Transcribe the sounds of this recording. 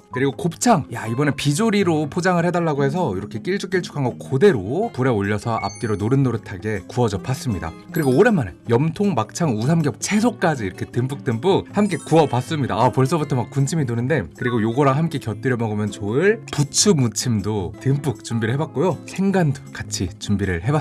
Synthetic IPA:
kɯɾiɡokop̚t͡ɕʰaŋjaibʌnepid͡ʑoɾiɾopʰod͡ʑaŋɯɭhe̞daɭːaɡohe̞s̬ʰʌiɾʌkʰe̞k͈iɭt͡ɕ͈ʰuk͈iɭt͡ɕʰu̥kʰanɡʌkʰode̞ɾopuɾe̞oʎːʌsʰʌʔa̰p̚k͈iɾonoɾɯnːoɾɯtʰaɡe̞kuʌd͡ʑʌp͈as͈ɯmɲida̰kɯɾiɡoːɾe̞manejʌmtʰoŋmak̚t͡ɕʰaŋusʰamɡjʌp̚t͡ɕʰe̞s̬ʰok̚k͈ad͡ʑiːɾʌkʰe̞tɯmp͈uk̚t͈ɯmp͈ɯk̚hamk͈e̞kuʌpas͈ɯmɲida̰apʌɭs͈ʌbutʰʌmak̚k͈ːunt͡ɕʰiminonɯnde̞kɯɾiɡojoɡʌɾaɦamk͈e̞kjʌt͈ɯɾjʌmʌɡɯmjʌnt͡ɕoɯɭput͡ɕʰumut͡ɕʰimdotɯmp͈uk̚t͡ɕumbiɾɯɭɦe̞bak̚k͈ojosʰe̞ŋɡando̥kat͡ɕʰit͡ɕumbiɾɯɭhe̞ba

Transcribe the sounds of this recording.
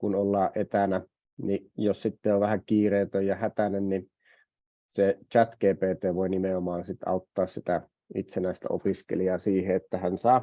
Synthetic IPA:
kunolːɑːʔʔet̪ænæ | nijossit̪ːeoʋʋæhækiːreːt̪øjjɑhæt̪ænenni | set͡ʃæt̪keːpeːt̪eːʋoinimeomɑːnsit̪ɑ̰ut̪ːɑːssit̪æ | it̪senæˑist̪æ̰o̰piskḛliɑsiːheet̪ːæhænsɑː

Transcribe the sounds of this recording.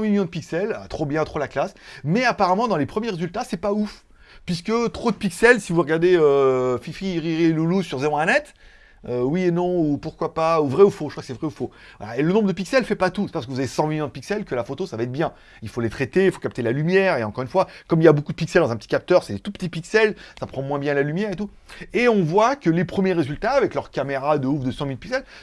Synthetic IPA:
sɑ̃miljɔ̃d̪əpiksɛla̰t̪χobjɛ̃t̪χolaklasmɛapaʁamɑ̃d̪ɑ̃lepχəmjeʁezylt̪asɛpauf | pɥis̬kət̪χod̪əpiksɛlsivuʁəɡaʁd̪eøfifχiʁiʁieluluzsyʁzeʁɔ̃ɛnɛt̪ | øwienɔ̃upuʁkwapauvʁɛufoʒ̥əkʰwakə̥sɛvʁɛufo | vwa̰la̰elənɔ̃bʁəd̪əp̬iksɛlfɛpat̪usɛ̥apasəkəvuzavesɑ̃miljɔ̃d̪əpiksɛlkəlafot̪osavaɛt̪̚bjɛ̃ | ilfolet̪χet̪eilfo̥kap̚t̪elalymjɛːʁeɑ̃kɔʁynfwakɔmiljabokud̪əpiksɛld̪ɑ̃zɛ̃pət̪ikʲap̚t̪œʁsɛlet̪upə̥t̪ipiksɛlsapχɑ̃mwɛ̃bjɛ̃lalymjɛʁet̪u | eɔ̃vwakəlepχəmjeʁezylt̪aːvɛklœʁkameʁad̪əufd̪əsɑ̃milpiksɛl

